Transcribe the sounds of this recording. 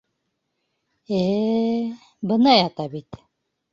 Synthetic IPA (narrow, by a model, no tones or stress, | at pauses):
e | bənajat̪abit̪ʲ